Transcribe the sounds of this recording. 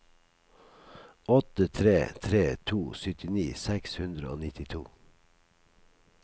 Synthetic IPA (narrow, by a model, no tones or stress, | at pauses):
ʔɔt̪ət̪ʰɾeːt̪ʰɾeːt̪ʰuːsʏt̪ɪniːsɛkshʉnd̪ɾəo̰ːnɪt̪ɪt̪ʰuː